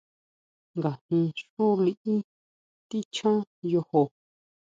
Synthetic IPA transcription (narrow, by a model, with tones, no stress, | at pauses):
ŋɡa˨hĩ˧ʂu˦li˧ʔĩ˦ | t̪i˦t͡ʃʰã˦jo˧ho˧